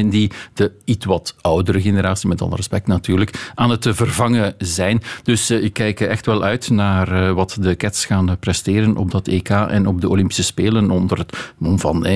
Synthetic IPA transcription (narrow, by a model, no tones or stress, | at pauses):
ndid̥əitwɑtʌwdəɾəɣeneɾaːsimɛtɑ̰lˠə̰rəspɛk̚tnatyːrləkʔaːnɦətvərvɑŋəzɛjnd̥ɵsɪkːɛjkɛxtʋɛlˠœɥtnaːrʋɑtdəkɛtsxaːnprɛsteːɾənʔɔ̰b̚dɑteːkaːʔɛ̰nɔb̚dəolɪmpi̥səspeːlənɔndərɦətmɔnvɑ̰nɛ